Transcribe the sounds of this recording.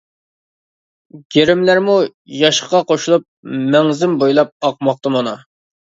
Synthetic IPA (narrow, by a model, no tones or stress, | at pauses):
ɡʲeɾɪmlæɾmujɑʃχʁɑqʰoʃulˠup̚mɛŋzɪmbojlˠɑp̚ɑq̚mɑq̚t̪ɨmɑnɑ